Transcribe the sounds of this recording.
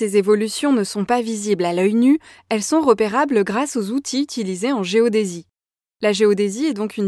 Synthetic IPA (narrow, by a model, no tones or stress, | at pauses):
ezevɔlysjɔ̃nəsɔ̃paviziblalœjny | ɛlsɔ̃ʁəpeʁabləɡʁasozut̪ʰiyt̪ʰilizeɑ̃ʒeod̪ezi | laʒeod̪eziɛd̪ɔ̃kyn